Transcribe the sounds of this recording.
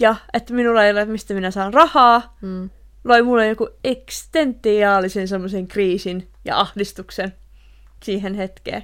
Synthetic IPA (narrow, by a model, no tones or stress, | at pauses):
jɑet̪ːminulːɑejolet̪mist̪æminæsɑːnrɑhɑː | loimulːejjokuekst̪ent̪ːˑiɑːlisensemːoseŋkriːsin | jɑ̰ɑhdist̪uksen | siːɦenhet̪kḛː